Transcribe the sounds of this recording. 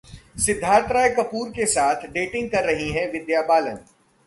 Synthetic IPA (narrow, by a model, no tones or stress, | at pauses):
sɪd̪ʱːaːɾt̪ɾaːjekɐpuːɾkesaːt̪ʰɖeːʈɪ̃ŋɡ̚kɐɾːɐɦiɦɛ̃ʋɪd̪jaːbaːlə̃n